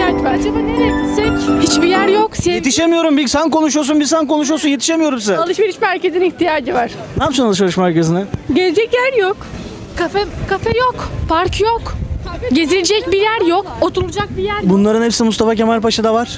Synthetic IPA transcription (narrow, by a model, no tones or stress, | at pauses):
ad͡ʒvaɾad͡ʒabaːnelebisɛchit͡ʃbijæɾjokseet̪ʰiʃemijo̞ɾumbisankʰo̞nuʃ̬ujosunbisanko̞nuʃ̬ujosunjet̪i̥ʃe̞mijo̞ɾumsizɛalˠɯʃveɾiʃmæɾce̞ziniçt̪ʰijaːd͡ʒɯvaɾ̥ | nat͡ʃʰunalˠɯʃalˠɯʃmaɾkasɯnaɟezd͡ʒɛcjæɾjok | kʰafɛkʰafɛjokpʰaɾkjokɟe̞zilʲed͡ʒɛc̚bijæɾjokot̪ʰuɾulˠud͡ʒak̚bijæɾbunlˠaɾɯnhepsinmust̪ʰafacemalpʰaʃɯd̪avaɾ̥